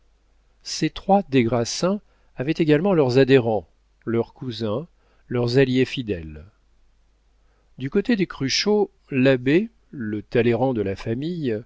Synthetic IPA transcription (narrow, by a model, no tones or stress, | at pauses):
set̪χwad̪eɡʁasɛ̃ | avɛt̪eɡalmɑ̃lœʁzad̪eʁɑ̃ | lœʁkuzɛ̃ | lœʁzaljefid̪ɛl | d̪ykot̪ed̪ekχyʃo | labe | lət̪aleʁɑ̃d̪əlafamij